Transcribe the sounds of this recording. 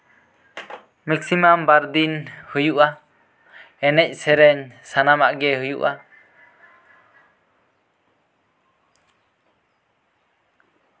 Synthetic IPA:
mɛksimambaɾd̪inhujuʔa | ɛnɛc̚ˀsɛɾɛɲsanamaʔɡɛhujṵʔa

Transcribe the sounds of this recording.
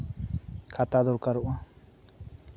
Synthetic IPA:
kʰat̪ad̪ɔɾkaɾuʔa

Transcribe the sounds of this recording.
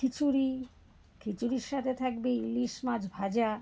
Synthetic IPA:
kʰit͡ɕuɾi | kʰit͡ɕuɾiɾʃat̪ʰet̪ʰak̚beiliʃmad͡ʑbʱad͡ʑa

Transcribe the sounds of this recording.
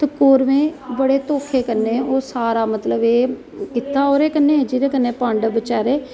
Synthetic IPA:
t̪əkoːɾmẽːbəɽeːt̪oːkʰeːkənːeoːsaːɾaːmət̪ləbeː | kɪt̪ːaːoːɾeːkənːeːd͡ʒiɾeːkənːeːpãːɳɖbɪt͡ʃaːɾeː

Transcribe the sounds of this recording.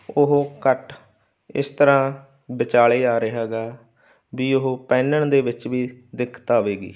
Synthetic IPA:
ʊɦkəʈ | ɪ̰st̪əɾãː | bɪt͡ʃaːɭeːaːɾeːɦɛːɡaː | biːʊɦopɛ̃ːnəɳd̪eːʋɪt͡ʃʋiːd̪ɪkʰt̪aːʋeːɡḭː

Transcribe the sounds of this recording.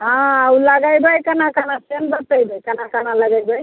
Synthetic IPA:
ɦãawlaɡajbəjkanakanasenbat̪ajbajkanakanalaɡajbəj

